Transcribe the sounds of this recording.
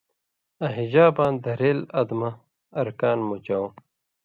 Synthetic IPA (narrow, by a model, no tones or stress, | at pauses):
ɐɦid͡ʑaːbãːnd̪ɐɾeːlɐd̪mɐː | ɾkaːnmut͡ɕaw̃